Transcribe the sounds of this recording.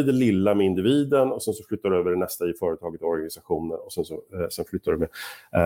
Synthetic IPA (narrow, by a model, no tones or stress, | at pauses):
d̪ɛlɪlːamɛɪnd̪ɪviːd̪ənɔsɛnsɔflʏt̪ːaɖɵøːvəɖɛnɛst̪aɪfœːɾət̪ʰɑːɡət̪ɔɔɾɡanɪsaɧuːnə̰nɔsɛnsɔsɛnflʏt̪ːaɖɵmɛ